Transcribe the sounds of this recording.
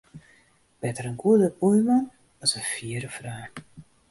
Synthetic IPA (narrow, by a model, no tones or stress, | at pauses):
b̥ɛtəɾənɡudəpujmɔn | ɔsəfiəɾəfraː